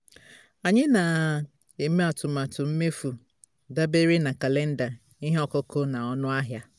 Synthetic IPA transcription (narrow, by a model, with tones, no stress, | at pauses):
a˨ɲɪ˦na˨ | e˨me˦a˨tʊ˨ma˨tʊ˨m̩˦me˦fu˨ | da˦be˦ɾi˦na˨ka˨le˦n̩˦da˨ | i˦ɦe˦ɔ˨kɔ˦ko˦na˨ɔ˦nʊ˦a˦ɦja˦